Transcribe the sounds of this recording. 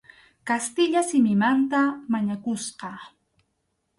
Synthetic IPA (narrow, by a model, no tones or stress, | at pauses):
kast̪ɪʎasɪmɪmant̪amaɲakʊsqɑ